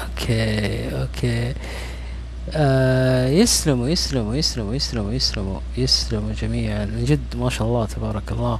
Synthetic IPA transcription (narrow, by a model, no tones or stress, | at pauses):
ʔokʰeːʔoːkʰeː | ʔajɪslɪmwjɪslɪmujɪslɪmujɪslɪmjɪslɪmṵ | jɪslɪmud͡ʒamiːʕanɪd͡ʒɪd̪ːmaːʃaːʔɑlˤːɑːt̪ʰabɑːɾˤɑkalːaː